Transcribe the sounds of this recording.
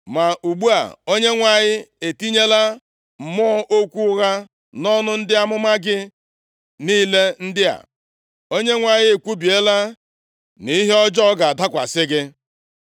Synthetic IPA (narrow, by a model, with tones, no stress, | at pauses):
ma˨ʔu˨ɡ͡bu˦a̰˨o˦ɲe˦ŋʷa˨ɲɪ˦e˨ti˦ɲe˦la˦ | m̩˨mɔ˦ɔ˦ʔo˦kʷu˦ɣa˦ | nɔ˦nʊ˦n̩˦dɪ˦a˦mʊ˦ma˦ɡɪ˦ | niː˦le˦n̩˦dɪ˦a̰˨ | o˦ɲe˦ŋʷa˨ɲɪ˦e˨kʷu˦bi˨e˦la˦ | ni˨˦ɦe˦ɔ˦d͡ʒɔ˦ɡa˨a˨da˦kʷa̰˨sɪ˦ɡɪ˦